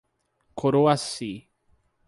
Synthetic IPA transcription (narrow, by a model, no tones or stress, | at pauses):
kʰoɾoasi